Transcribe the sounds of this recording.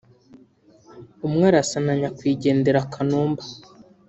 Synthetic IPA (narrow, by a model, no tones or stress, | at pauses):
umŋaːɾasanaɲakwiːɟe̞ːnde̞ɾakʰanuːmbḁ